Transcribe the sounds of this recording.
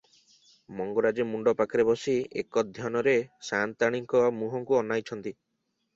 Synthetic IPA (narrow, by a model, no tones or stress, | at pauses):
mɔŋɡɔɾad͡ʒemuɳɖɔpakɾebɔsiekɔd̪ʱjɔnɔɾesant̪aɽ̃iŋkɔmuɦɔŋkuɔnːajt͡ʃʰɔnt̪i